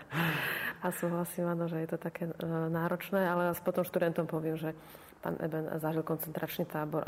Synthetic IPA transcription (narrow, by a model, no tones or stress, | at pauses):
asuːɦlasiːmanɔʒɛjɛt̪ɔt̪akɛːnaːɾɔt͡ʃnɛːalɛaspɔt̪ɔmʃt̪ud̪ɛnt̪ɔmpɔʋɪɛmʒɛ | pa̰ːnʔɛ̰bɛnzaʒilkɔnt͡sɛnt̪ɾat͡ʃnit̪aːbɔɾ